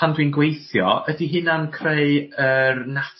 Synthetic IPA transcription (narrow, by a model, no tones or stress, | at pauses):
andwiːnɡwejθjɔ̰ʔədiɦɪnankʰreɨərnatʰ